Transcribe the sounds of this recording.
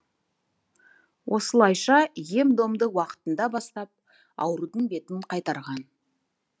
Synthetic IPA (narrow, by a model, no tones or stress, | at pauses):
wʔo̞səlˠɑjʃɑje̞md̪o̞md̪əwɑqə̥t̪ənd̪ɑbɑst̪ɑp̚ | ɑ̰wɾud̪əɴbe̞t̪ɪɴqʰɑjt̪ɑɾʁɑn